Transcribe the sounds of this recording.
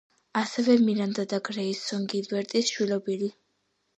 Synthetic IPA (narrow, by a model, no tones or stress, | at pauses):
asɛvɛmiɾand̪ad̪aɡɾɛisɔŋɡilbɛɾt̪ʼisʃwilɔbili